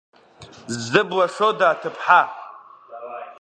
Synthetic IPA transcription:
zɨbwaʂodaːtʰɨpʰħa

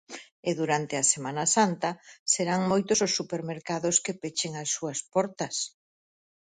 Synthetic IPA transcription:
ɪðuɾant̪eɐsemanɐsant̪ɐseɾaŋmojt̪ʊsʊsːupeɾmeɾkaðʊskepet͡ʃeŋɐsːuɐspɔɾt̪ɐs

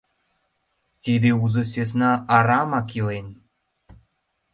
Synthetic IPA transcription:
t̪ʲed̪euzɤ̆søs̬nɑʔːɾɑmɑkjoen

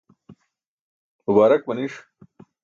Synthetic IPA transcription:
mʊbaːɾɐk̚bɐniʂ

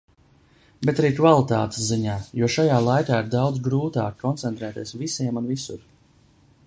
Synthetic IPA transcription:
bet̪aɾiːkvalˠit̪aːt̪e̥sziɲaːjuɔʃajaːlˠajkaːiɾd̪awd̪zɡɾuːt̪aːkkːɔnt̪sɛnt̪ɾɛːt̪iɛsvisiɛmunvisṵɾ

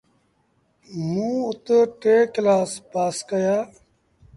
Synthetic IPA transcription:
mũːʊt̪ʈeːklaːspaːskəjaː

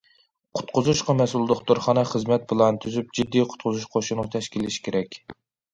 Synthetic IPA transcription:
qʰʊ̥t̪̚qʰʊzuʃqɑmɛsulˠd̪ʊχd̪oɾχɑnɑχəzmɛt̪̚bɨlˠɑnt̪ʰyzyp̚d͡ʒid̪ːijqʰʊ̥t̪̚qʰʊzuʃqʰoʃunɨt̪ʰɛʃkʲilɪʃi̥kʲʰeɾɛkʲ

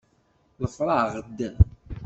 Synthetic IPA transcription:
ləfɾˤɑʁəd̪ː

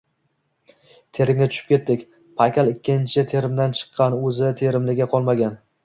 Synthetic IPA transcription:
t̪ʰe̞ɾɪŋʲnɪt̪ʰʊ̥ʃɪ̥p̚kʲe̞t̪ːɪkʲ | pʰakʲʰalˠɪkʲːɪnt͡ʃʰɪt̪ʰe̞ɾɪmd̪ant͡ʃʰɨ̥qʰːɑnɵzɪt̪ʰe̞ɾɪmlɪɡʲaqʰɒlˠmaɡʲan

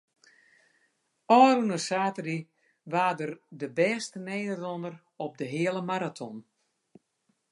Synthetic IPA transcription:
ɔːɾunəsaːtəri | ʋaːdərdəbɛːstəneːdərlɔndər | ɔp̚dəɦɪələmaɾatʰɔn

